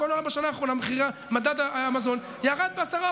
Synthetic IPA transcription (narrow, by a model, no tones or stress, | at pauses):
oloalabaʃanaːχʁo̞nameχiʁamad̪ad̪amazo̞n | jaːʁad̪̚beasaʁa